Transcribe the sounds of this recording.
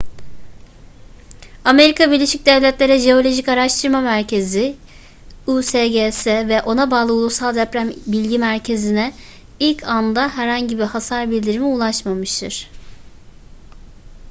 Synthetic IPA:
ame̞ɾikʰabiɾlʲe̞ʃic̚d̪ɛvlʲɛt̪lʲe̞ɾɛʒe̞o̞lʲo̞ʒicaɾaʃt̪ʰɯɾmamæɾcʰe̞zi | useɟesɛvɛʔo̞nabaːlˠɯulˠusalˠd̪ɛpɾæmbilʲɟimæɾcʰe̞zinɛ | ilʲcʰand̪aɦæɾhaɲɟibihasaɾbilʲd̪iɾimiulˠaʃmamɯʃt̪ʰɯɾ̥

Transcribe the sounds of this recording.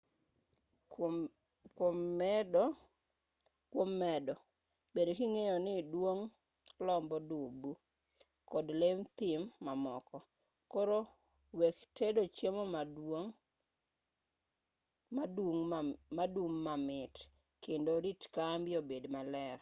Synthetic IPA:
kwomd | kwomːɛdɔ | bedokiŋejɔnɪdwoŋ | lɔmbɔdubu | kɔdlemt̪ɪmːamɔkɔ | koɾo | wektedot͡ʃjemomaŋ | adoŋmaduŋːamɪt | kendoɾitkambjobedmalɛr

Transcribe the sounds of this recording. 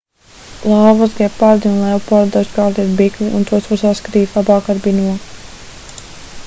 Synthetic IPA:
lˠɑːvazɡɛppaɾd̪iunlˠɛwpɔɾd̪askaːɾt̪iɛt̪bikliʔṵnt̪uɔsuɔsaskat̪iːt̪lˠabɑːkaɾbinuɔ

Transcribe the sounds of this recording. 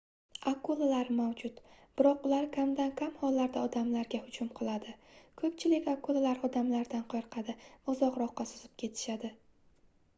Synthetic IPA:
akolˠalaɾmawd͡ʒʊt̪b̥ɪɾɒqʊlaɾkʲʰamd̪ankʲʰamhɒlːaɾd̪aɒd̪amlaɾɡʲahʊd͡ʒʊmqʰɨlˠad̪ɪkʰɵp̚t͡ʃʰɪlɪkʲakʰolˠalaɾɒd̪amlaɾd̪anqʰɑɾqʰɑd̪ɪvaʊzɒqɾɒqːɑsʊz̥ɪp̚kʲʰe̞t̪ʰɪ̥ʃad̪ɪ

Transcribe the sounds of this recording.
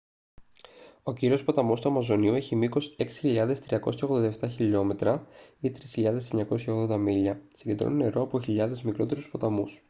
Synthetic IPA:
o̞ciɾio̞spɐt̪ɐmo̞st̪uɐmɐzo̞niue̞çimiko̞se̞ksi̥çiʎɐðe̞st̪ɾiɐko̞̰sçɐɣðod̪ɐeft̪ɐçiʎo̞me̞t̪ɾɐit̪ɾisçiʎɐðe̞seɲɐko̞sçɐoɣðo̞nd̪ɐmiʎɐsiɲɟe̞d̪ɾo̰nine̞ɾo̞ɐpo̞çiʎɐðe̞zmikɾo̞t̪e̞ɾuspɐt̪ɐmus

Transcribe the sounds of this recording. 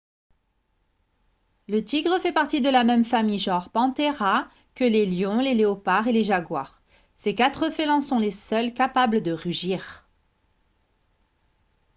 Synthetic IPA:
lət̪iɡʁəfɛpaʁt̪id̪əlamɛmfamijʒɔ̃ʁpɑ̃t̪eʁa | kəleljɔ̃leleɔpaʁeleʒaɡwaʁ | sekat̪χəfelɑ̃sɔ̃lesœlkapabləd̪əʁyʒiːʁ

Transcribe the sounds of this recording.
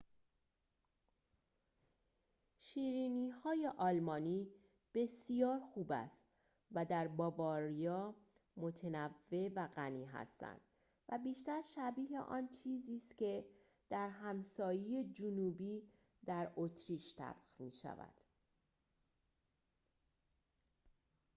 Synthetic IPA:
ʃiːɾiːniːhɒːje̞ʔɒːlmɒːniː | b̥e̞sijɒːɾxuːbæ̰st̪ | væd̪æɾbɒːvɒːɾijɒː | mot̪ʰenævːe̞væɣæniːɦæ̰st̪æ̰nd̪̥ | væbiːʃt̪æɾʃæbiːɦḛʔɒ̰ːnt͡ʃʰiːziːst̪cʰe̞ | d̪̥æɾɦæmsɒːjeje̞d͡ʒunuːbiː | d̪̥æɾot̪ʰɾiːʃt̪ʰæ̰b̥xmiːʃæ̰væ̰d̪̥

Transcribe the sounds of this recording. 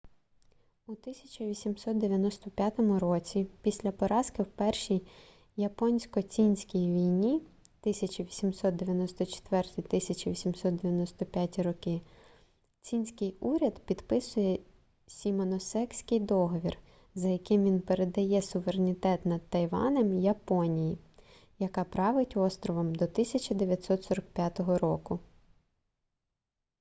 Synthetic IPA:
ut̪ɪsʲɐ̥t͡ʃʲɐʋʲisʲimsɔt̪̚d̪eʋʲjɐnɔst̪ɔpʲjat̪ɔmʊɾɔt͡sʲipʲisʲlʲɐpɔɾɑskɪwpɛrʃij | jɐpɔnʲsʲkɔt͡sʲinʲsʲkʲijʋʲijnʲi | t̪ɪsʲɐt͡ʃiʋʲisʲimsɔt̪d̪e̞ʋʲjɐnɔst̪ɔt͡ʃe̥t̪ʋɛrt̪ijt̪ɪsʲɐt͡ʃiʋʲisʲimsɔt̪d̪eʋʲjɐnɔst̪ɔpʲjatʲiɾɔkɪ | t͡sʲinʲsʲkɪjuɾʲɐd̪pʲid̪pɪsʊjɛ | sʲimɔnɔsɛksʲkɪjd̪ɔɦɔʋʲir | zɐjɐkɪmʋʲinpeɾed̪ɐjɛsʊʋeɾenʲit̪ɛt̪nɐd̪̚t̪ːɐjʋɑ̰nɛmjɐpɔnʲiji | jɐkɑpɾɑʋɪtʲɔst̪ɾɔʋɔmd̪ɔt̪ɪsʲɐt͡ʃɐd̪eʋʲjɐt̪ʲsɔt̪sɔɾɐk̚pʲjat̪ɔɦɔɾɔkʊ

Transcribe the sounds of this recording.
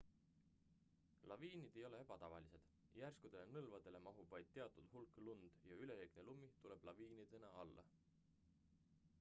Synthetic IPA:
lɑviːnid̪̥e̞jo̞le̞e̞b̥ɑt̪ɑvɑlise̞d̪̥ | jærskud̪̥e̞le̞nɤlvɑd̪̥e̞le̞mɑɦubvɑjd̪̥̚t̪ːe̞ɑt̪ːˑud̪̥hulkˑlund̪̥jɑyle̞ɾeɡ̥nelumːit̪ule̞b̥lɑviːnid̪̥e̞nɑɑlːɑ̰

